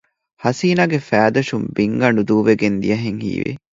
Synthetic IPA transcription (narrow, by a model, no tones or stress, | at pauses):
hɐsiːnaːɡefæːd̪ɐʃumbiŋɡɐɳɖud̪uːʋeɡend̪iɐɦeŋhḭːʋḭ